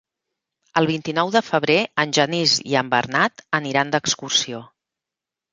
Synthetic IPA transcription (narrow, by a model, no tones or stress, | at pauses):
əlˠβ̞int̪inɔwðəfəβ̞ɾeənʲʒənizḭəmbə̰rnat̪əniɾand̪əkskursio